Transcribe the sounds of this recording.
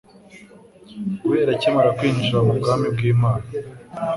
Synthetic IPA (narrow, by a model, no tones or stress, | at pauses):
kuweːɾacemaɾakwiːnʃaubɡaːmib̚ɡiːmaːna